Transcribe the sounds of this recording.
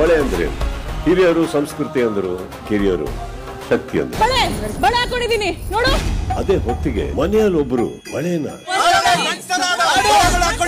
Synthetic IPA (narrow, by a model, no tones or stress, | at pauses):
bɐɭejɐnd̪ɐɾḛnukiɾijɐɾusɐmskɾut̪iɐnd̪ɐɾu | kiɾijɐɾṵ | ʃɐk̚t̪ijɐ̰nd̪ɐɾbɐɭebɐɭeaːkoɳɖid̪iːninoːɽuɐd̪eːɦot̪ːiɡe̞̰mɐnɛjɐlobːɐɾṵ | bɐɭeːnɐ̰